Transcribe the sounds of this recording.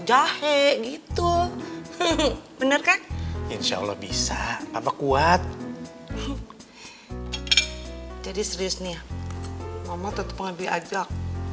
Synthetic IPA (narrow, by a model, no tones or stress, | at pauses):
d͡ʒahɛʔɡit̪u | bənərkainʃa̰a̰lːɔ̰hbisaapakuat̪̚ | d͡ʒadisəɾiʊsnia | mamat̪ənt̪ə̥pəŋabia̰d͡ʒak̚